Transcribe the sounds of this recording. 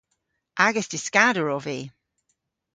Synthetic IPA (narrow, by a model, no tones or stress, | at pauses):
ʔaɡəsdɪskadəɹɔviː